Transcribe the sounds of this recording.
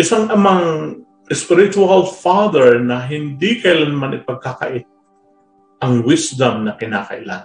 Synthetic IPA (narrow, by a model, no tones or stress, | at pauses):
ʔɪsaŋʔɐmaŋ | ʔɪspɪɾɪt͡ʃʊalfaðɛɹnɐɦɪnd̪ikɐjlanmanɪpɐɡ̚kaka̰ʔɪt̪̚ | ʔɐŋwɪsd̪ɐmnɐkɪna̰ːkɐ̰ʔɪ̰la̰n